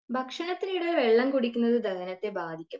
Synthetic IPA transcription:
bʱɐkʂɐnɐt̪ːinijɽeʋeɭːɐmkoɽikʲːunːɐðɨd̪ʱɐkɐnɐt̪ːe̞baːd̪ʱikʲːum

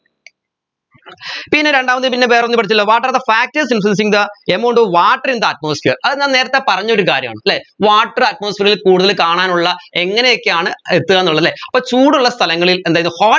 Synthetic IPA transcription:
pinːe̞ɾe̞ɳɖaːmɐt̪ːipinːeʋeːronːipːɐʈit͡ɕːɐlːoːʋaːʈːɐrɐðɐfaːk̚tɐs̬infɐns̬iŋd̪ɐemoɳɖoːʋaːʈːɐrind̪ɐːt̚moːsfeːrɐðɨnne̞ːɾɐt̪ːepɐrɐɲːɐo̞ɾukaːɾjɐma̰ːɳɨɐlːeʋaːʈːɐrɐt̚mo̞ːsfeːɾilkuːɽuðɐlkaːɳaːnuɭːɐe̞ŋːɐnejo̞kːe̞jaːɳɨet̪ːɨaːnːuɭːɐðɐlːeːɐpːoːt͡ɕuːɽuɭːɐst̪ʰɐlɐŋːɐɭilend̪ːjðɨhoː

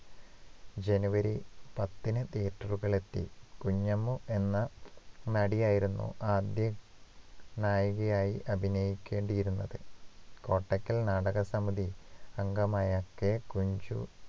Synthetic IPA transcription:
d͡ʑe̞nuʋɐɾipɐt̪ːinɨt̪eːʈːɐruɣɐɭe̞t̪ːḭkuɲːɐmuʔe̞nːɐnɐɽijaːjiɾunːṵʔaːd̪jɐ | naːjuɣɐjaːjiʔɐbʱinɐjikʲːe̞ːɳɖijiɾunːɐðɨko̞ːʈːɐkʲːɐlnaːɽɐɣɐsɐmuðiɐŋɡɐmaːjɐkːekuɲd͡ʑṵ

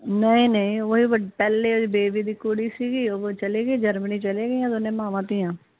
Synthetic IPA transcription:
nəĩːnəĩːoːɦiːʋəpɛːleːobeːbiːd̪iːkoɽiːsiːɡiːot͡ʃəleːɡəiːd͡ʒəɾməniːt͡ʃəleːɡəiːãːd̪oːnẽːmãːʋãːt̪ijãː

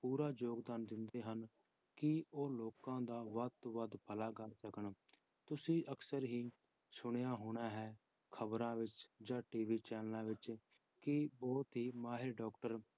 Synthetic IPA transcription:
puːɾaːd͡ʒoːɡd̪aːnd̪ɪnd̪eːɦən | kɪoːloːkãːd̪aːʋəd̪̚oʋəd̪pʰəlaːɡəɾsəkəɳ | t̪ʊsĩːʔəksəɾɦiː | sʊɽ̃jaːɦoːɽ̃aːɦɛː | kʰəbɾãːʋɪt͡ʃd͡ʒãːʈiːʋiːt͡ʃɛːnlãːʋɪt͡ʃ | kɪbɔːt̪ɦiːmaːɦɪɾɖɔːkʈəɾ

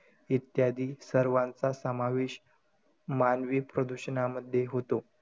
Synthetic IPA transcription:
it̪jad̪ʱiːsəɾʋãnt͡sasəmaʋeɕ | manʋiːpɾəd̪uɕənaməd̪ʱjeɦot̪o

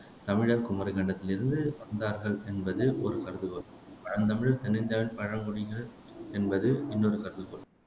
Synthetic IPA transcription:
t̪ɐmɪɻɐɾkʊmɐɾɐkɐɳɖɐt̪ːɪlɪɾɯnd̪ɯʋɐnd̪aːɾɣɐɭɛnbɐðɯʔɔɾɯkɐɾɯðɯkɐɭ | pɐɻɐnt̪ɐmɪɻɐɾt̪ɛnːɪnd̪jaːʋɪnpɐɻɐmkɔɽɪŋɐɭ | ɛnbɐðɯɪnːɔɾɯkɐɾɯðɯkɔɭ

